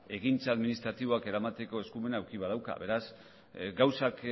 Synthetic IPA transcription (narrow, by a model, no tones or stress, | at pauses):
e̞ɣint͡saːðminist̪ɾat̪iβo̞ake̞ɾamat̪e̞ko̞e̞skume̞nawkiβað̞awka̰βe̞ɾas | ɡawsak